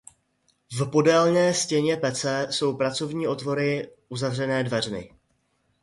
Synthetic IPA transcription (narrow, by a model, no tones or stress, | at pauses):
vpo̞dɛlnɛːscɛɲɛpɛt͡sɛso̞wpɾat͡so̞vɲiːʔo̞t̪vo̞ɾɪʔuzavr̝ɛnɛːdvɛr̝mɪ̰